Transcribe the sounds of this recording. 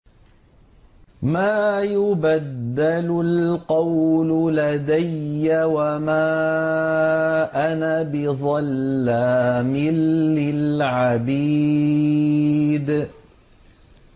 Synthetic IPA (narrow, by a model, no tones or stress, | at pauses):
maːjʊbad̪ːalʊlqɑwlʊlad̪ajːawamaː | ʔanabɪðˤɑlːamɪlːɪlʕabiː | d̪